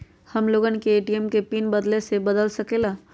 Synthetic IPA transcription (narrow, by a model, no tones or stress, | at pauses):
hɐmloːɡənkeːʈiɛmkepiːnbɐd̪lesebɐd̪əlsɐkelaː